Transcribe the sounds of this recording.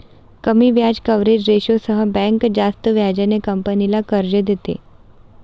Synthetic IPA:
kəmiːʋjad͡ʑkəʋɾed͡ʑɾeɕosəɦəbɛ̃ŋkd͡zast̪əʋjad͡ʑanekəmpənilakəɾd͡ʑəd̪et̪ḛ

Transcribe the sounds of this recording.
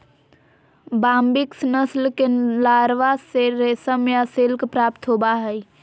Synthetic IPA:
baːmbɪksnəslkelaːɾʋaseɾesəmjaselkpɾapt̪ɦobaɦəi

